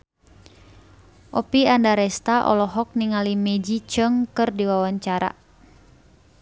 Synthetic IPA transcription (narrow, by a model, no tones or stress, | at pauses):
ʔɔpiandaɾɛst̪aʔɔ̰lɔɦɔk̚niŋalimɛd͡ʒit͡ʃəŋkɨrdiwawaɲt͡ʃaɾa̰